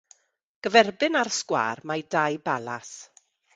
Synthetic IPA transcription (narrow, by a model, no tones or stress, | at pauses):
ɡ̥əvɛrbɪnarskwa̰ːrmajdajbalas